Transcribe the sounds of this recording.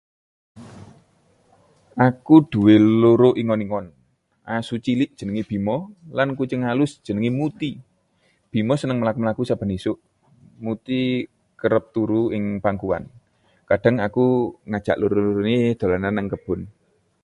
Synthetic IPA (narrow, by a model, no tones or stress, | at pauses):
ʔakud̥ṳweloɾoʔiŋɔniŋɔn | ʔasut͡ʃilɪʔd̥ʒ̥ə̤nəŋib̥i̤mɔlankut͡ʃəŋalʊsd̥ʒ̥ənəŋimut̪i | b̥i̤mɔsənəŋməlakuməlakusab̥a̤nisʊʔ | mut̪i | kəɾəp̚t̪uɾuɪŋpaŋkuwa̰n | kadɖ̥a̤ŋakuŋad̥ʒ̥aʔloɾoɾned̪̥o̤lananaŋkəb̥ʊ̤n